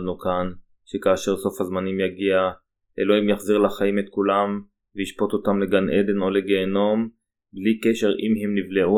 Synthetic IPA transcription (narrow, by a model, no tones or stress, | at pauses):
nukan | ʃekaːʃe̞ʁso̞fhazmanimjaɡia | ʔḛloimjaχziʁlaχaimet̪̚kulam | veiʃpo̞t̪ot̪amleɡanʔed̪e̞no̞leɡeːno̞m | blike̞ʃe̞ʁimɦemnivleʔu